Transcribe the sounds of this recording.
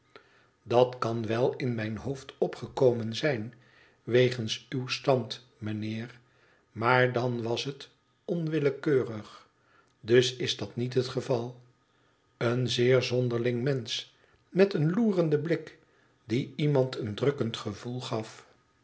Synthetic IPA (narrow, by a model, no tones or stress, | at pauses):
dɑtkɑnʋɛlˠɪnmɛjnɦowftɔpχəkowmənzɛjn | ʋejχənsywstɑnt | mənɪːr | maːɹdɑnʋɑsɦət | ɔnʋɪləkøːrəχ | dɵsɪzdɑtnitɦətχəvɑlˠ | ənzɪːɹzɔndəɹlɪŋmɛns | mɛtənluːrəndəblɪk | diimɑntʰəndrɵkəntχəvulˠχɑf